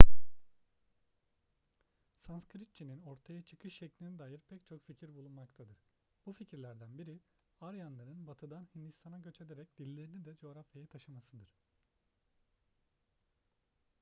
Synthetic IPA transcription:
sanskɾit̪̚t͡ʃʰinino̞ɾt̪ʰajat͡ʃʰɯ̥kʰɯʃːɛclʲinɛd̪aːjɯɾpʰɛc̚t͡ʃʰo̞kficʰiɾbulˠunmakt̪ʰad̪ɯɾ̥ | b̥uficʰiɾlʲæɾd̪ænbiɾi | aɾjanlˠaɾɯnbat̪ʰɯd̪anhind̪ist̪ʰanaɟø̞t͡ʃʰe̞d̪eɾɛc̚d̪̥ilʲːeɾinid̪ɛd͡ʒo̞ːɾafjajat̪ʰaʃɯmasɯd̪ɯɾ̥

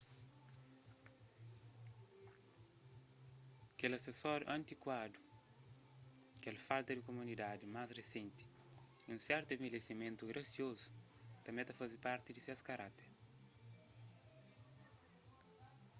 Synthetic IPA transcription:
ɐkelɐsesɔɾjṵʔɐ̃nt̪ikwad̪u | kɛlfalt̪ɐd̪ikomunid̪ad̪imasresẽnt̪i̥ | iũsɛɾt̪uẽmelesimẽnt̪uɡɾʔɐsiozu̥ | t̪ɐ̃mɛ̃t̪ɐfazipaɾt̪id̪iseskɐɾat̪eɾ

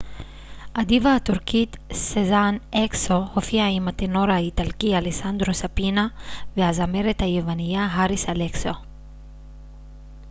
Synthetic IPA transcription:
ad̪ivaːt̪uɾkit̪sezanɛksohofiaimat̪enoɾait̪alkialesand̪ɾosapinaveazameɾet̪ajevaniaɦaɾisalekso

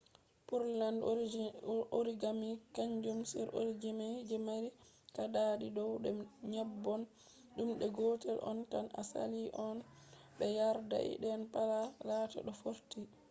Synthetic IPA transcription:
puɾland | oɾiɡamikaɲd͡ʒumsɛɾʔo̰ɾid͡ʒimad͡ʒɛmaɾikaɗaɗidɔwɗɛɲabːɔn | ɗumɗɛɡɔːtɛlʔɔ̰nkana̰sa̰liʔɔnɓɛjaɾda̰ʔḭɗɛnpalalaːta̰ɗɔfoɾti

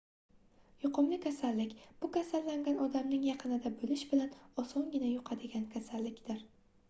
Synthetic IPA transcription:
jʊqʰɨmlɪkʲʰasalːɪkʲb̥ʊkʲasalːaŋɡʲanɒd̪amnɪŋjɑqʰɨnɪd̪abɵlɪʃbɪlanɒsɒŋɡʲɪnajʊqʰɑd̪ɪɡʲankʲʰasalːɪkʲd̪̥ɪɾ

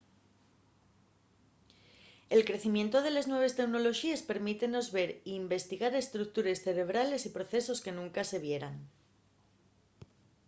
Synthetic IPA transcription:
e̞lkɾe̞θimje̞nt̪o̞ðe̞le̞znwe̞β̞est̪e̞kno̞lo̞ʃiespe̞ɾmit̪e̞no̞zβe̞ɾiːmbe̞st̪iɣ̞aɾe̞st̪ɾuk̚t̪uɾe̞sθe̞ɾe̞β̞ɾale̞sipɾo̞θe̞so̞ske̞nũŋkase̞β̞je̞ɾaŋ

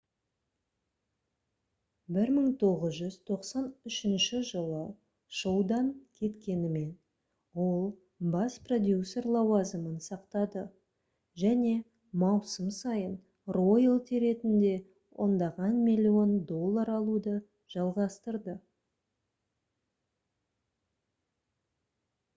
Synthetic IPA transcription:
bɪɾməɴt̪ʰo̞ʁəzʒʏz̥t̪ʰo̞qsɑnʏʃɪnʃɪʒəlˠə | ʃowd̪ɑŋkʲʰe̞t̪kʲe̞nɪme̞n | wo̞lˠ | bɑspro̞d̪ʲjusʲe̞rlˠɑwɑzəmənsɑqt̪ɑd̪ə | ʒæne̞ | mɑwsəmsɑjən | ro̞jlˠt̪ʰeɾe̞t̪ɪnd̪e̞ | wʔo̞̰nd̪ɑʁɑnmilʲːio̞nd̪o̞lˠːɑɾɑlˠud̪ə | ʒ̥ɑlˠʁɑst̪əɾd̪ə

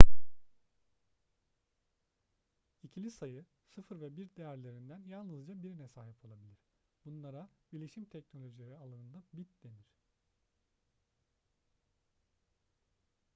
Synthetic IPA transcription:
icʰilʲisajɯ | sɯfɯɾvɛbiɾd̪e̞jæɾlʲe̞ɾind̪ænjalˠnɯzd͡ʒabiɾinɛsaːɦipʰo̞lˠabilʲiɾ̥ | b̥unlˠaɾabiɾlʲeʃimt̪ʰɛcno̞lʲo̞ʒilʲeɾialˠanɯnd̪abit̪lʲe̞niɾ̝̥

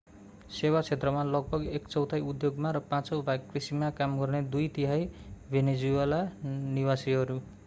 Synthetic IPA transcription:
sewat͡sʰet̪rʌmalʌɡ̚bʱʌɡekt͡sʌwt̪ʰajud̪joɡmaɾʌpãt͡sʌwbʱaɡkrisimakamɡʌrned̪ujt̪iɦajbʱened͡zuelanibasiɦʌɾu

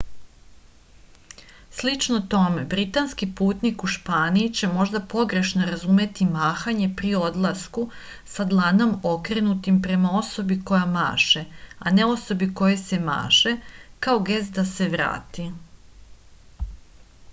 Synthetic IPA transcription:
slit͡ʃnot̪o̞me̞bɾit̪anskipuːt̪nikuʃpaːniːt͡ɕe̞mo̞ʒd̪apo̞ɡɾe̞ʃno̞ɾazume̞t̪imaːxaɲe̞pɾio̞d̪lˠasku | sad̪lˠano̞mo̞kɾe̞nut̪impɾe̞mao̞so̞biko̞jama̰ːʃe̞ane̞o̞so̞biko̞jese̞ma̰ːʃe̞kao̞ɡe̞st̪d̪ase̞ʋɾa̰ːt̪i

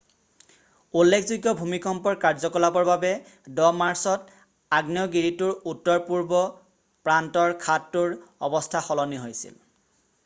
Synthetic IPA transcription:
ulːekʰzuɡjɔbʱumikɔmpɔɹkaɹzɔkɔlabɔɹbabɛ | dɔmaɹsɔt | aɡnjɔɡiɹitʊɹutːɔɹpuɹbɔ | pɹantɔɹkʰatːuɹɔ̰bɔstʰaxɔlɔniɦojsḭl

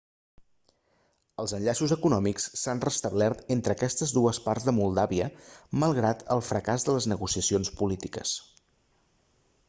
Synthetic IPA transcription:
əlˠzənʎaʃuzəkunɔmikssanrəst̪əβlɛrt̪ent̪ɾəːkɛst̪əzðuəspaɾzðəmulˠd̪aβiəməlˠɣɾat̪əlˠfɾəkazðələznəɣusiəsionspulit̪ikə̰s

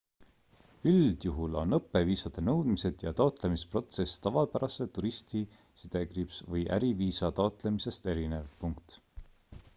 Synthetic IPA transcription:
yld̪̥juɦulo̞̰nɤpːˑe̞viːsɑd̪̥e̞nɤwd̪̥mise̞d̪jɑt̪ɑot̪ˑle̞mispro̞t̪se̞sːt̪ɑvɑlpæɾɑset̪uɾist̪i | sid̪̥e̞ɡripsvɤjʔæ̰ɾiviːsɑt̪ɑot̪ˑle̞mise̞st̪e̞ɾine̞vpuŋkt̪

